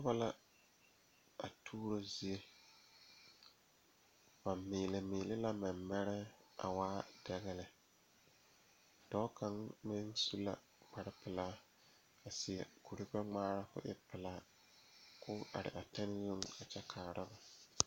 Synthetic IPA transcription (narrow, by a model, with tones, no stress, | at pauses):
tʊ˦ba˦la˦ | a˨tʰuː˦ɾo˦zi˨˦e˦ | wa˨mːɪː˨lɪ˨mɪː˨lɪ˦la˦ma˨mːɛ˦ɾɛ˦a̰˨waː˦d̥ɛ˨ɣɛ˦lɪ˨ | d̥ɔ˦ka˨ŋmɪ˦nsu˦la̰˦ | k͡pa˨ɾɪ˦pɪ˨laː˦ | a˨sɪ˨ɛ˨ku˨ɾi˦k͡pɛ˦ŋ͡maː˦ɾa˦kʊ̰˦ʔɪ̰˦pɪ˨laː˦ | kʰʊ˦a̰˨ɾɪ̰˨ʔa˨tɛ˦nɪ˦zʊ˦ŋa˨t͡ʃɛ˦kʰaː˨ɾʔɪ˦ba˨